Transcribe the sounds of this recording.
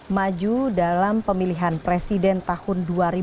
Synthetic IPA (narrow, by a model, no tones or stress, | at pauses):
mad͡ʒudalampəmiliɦanpɾesidɛnt̪ahʊnduaɾi